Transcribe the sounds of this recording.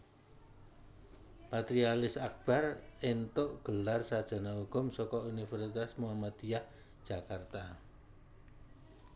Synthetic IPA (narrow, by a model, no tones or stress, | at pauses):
pat̪ɾialɪsak̚b̥arent̪oʔɡ̥əlarsad̥ʒ̥a̤nauɡ̥ɔ̤msɔkɔunifɛrsit̪asmuɦamat̪ijah | d̥ʒ̥a̤kart̪a